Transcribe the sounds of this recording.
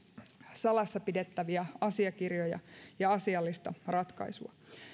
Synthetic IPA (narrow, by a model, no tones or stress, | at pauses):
sɑlɑsːɑpide̞t̪ːæʋiæɑsiɑkirjojɑ̰jɑɑsiɑlːist̪ɑrɑt̪kɑ̰isuɑ̰